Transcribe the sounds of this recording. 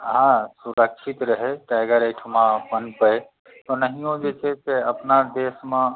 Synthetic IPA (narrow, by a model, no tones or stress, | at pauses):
ɦãsuɾəkt͡ʃʰit̪ɾəɦeʈaɡəɾeʈʰumãpənpəe | t̪onəɦĩõd͡ʒet͡ʃʰekeəpnad̪eːsmẽ